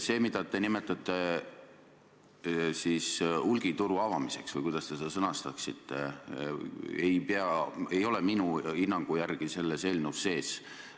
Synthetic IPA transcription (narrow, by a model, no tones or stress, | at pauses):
se̞ːmid̪̥ɑt̪enimet̪ːˑɑt̪ːˑe̞ | siːsulɡ̥it̪uɾuɑvɑmise̞ksvɯjkujd̪̥ɑst̪e̞ssɤnɑst̪ɑksit̪ːe̞̰ | ejpeɑe̞jo̞lɛminuinːɑŋɡ̥ujærɡ̥ise̞lːese̞lnusːe̞ːs